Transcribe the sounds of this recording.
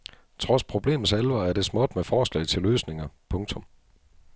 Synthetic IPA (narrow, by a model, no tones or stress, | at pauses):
t͡sʰʁɒ̽spʰʁo̝b̥le̝̰ːmn̩selʋɐæɐd̥e̝smɔ̽d̥mefɒːslɛ̰ɪt͡sʰe̝løːsne̝ŋɐpʰɔ̽ŋt͡sʰɔ̽m